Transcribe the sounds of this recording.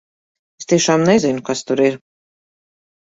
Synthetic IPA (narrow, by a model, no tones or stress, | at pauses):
est̪iɛʃaːmnɛzinʊkast̪uɾiɾ